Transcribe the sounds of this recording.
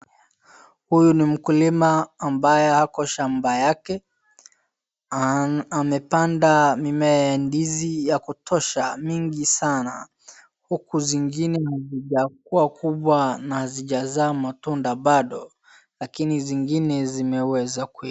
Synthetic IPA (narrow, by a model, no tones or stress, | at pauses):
hujunim̩kulimaːmbajɛhakɔʃambajakɛ | amɛpandamimɛjandizijakutʰɔʃamiŋɡisana | hukuziŋɡinɛhaziʄak̚uwakʰuɓwanahaziʄazaːmatundaɓaɗɔ | lakiniziŋɡinɛzimɛwɛzaku